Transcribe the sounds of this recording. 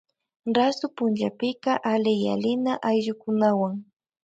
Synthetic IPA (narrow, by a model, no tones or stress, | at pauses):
ɾasʊpʊnt͡ʃapɪkɑʔalɪja̰lɪnaʔajʎʊkʊnawaŋ